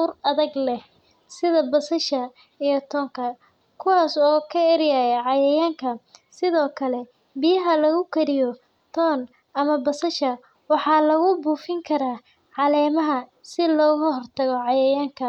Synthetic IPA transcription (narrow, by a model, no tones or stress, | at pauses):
uːrɐðɐɡlɛh | sɪðɐbɐsɐʃɐ | ijɞt̪ʰɔːŋkʰɐ | kʰʊwɑːsɔːkʰɐɛɾjajɛʕɑjɛjaːŋkʰɐsɪðɔːkʰɐlɛ | bɪjɐɦɐlɐɣʊkʰɐɾɪjɔ | t̪ʰɔːn | ɐmɐbɐsɐʃɐ | wɑħɑːlɐɣʊbuːfɪŋkʰɐɾaː | ʕɑlɛːmɐɦɐsɪlɔːɣhɔrt̪ʰɐɣɔʕɑjɐɛjaːŋkʰɐ